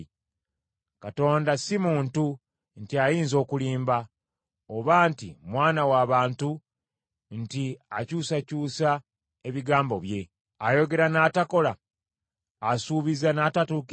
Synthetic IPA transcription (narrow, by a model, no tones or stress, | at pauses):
kato̞ːndasimuːntu | ntiajiːnzo̞ːkuliːmba | oβantḭmwaːnawaːβaːntu | ntiacuːsacuːsa | e̞βiɡaːmbo̞βje̞ | ajo̞ɡe̞ɾanaːtako̞laː | suːβizanaːtatuːk